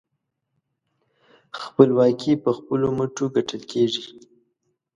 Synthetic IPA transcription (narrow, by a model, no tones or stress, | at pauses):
xpəlwɑkipəxpəloməʈoɡaʈəlkeʐi